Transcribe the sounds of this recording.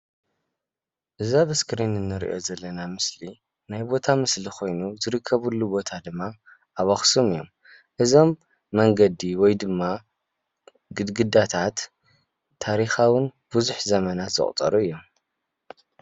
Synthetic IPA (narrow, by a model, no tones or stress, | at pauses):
ʔɨzaβɨskɾinɨnːɨɾḭʔo̞̰zɐlːɐnamɨsli | najbo̞t̪ʰamɨslixʰo̞jnuzɨɾɨkʰːɐβulːubo̞t̪ʰad̪ɨmːa | ʔaβaxsomɨjːo̞̰m | ʔɨzo̞mː | ɐŋɡɐd̪iwɔjd̪ɨmːa | ɡɨd̪ɡɨd̪at̪ʰat̪ʰː | aɾixawɨn | b̥ɨzuħzɐmɐnat̪z̥ɨ̰χʼt̪ʼɐ̰ɾʔuɨjːom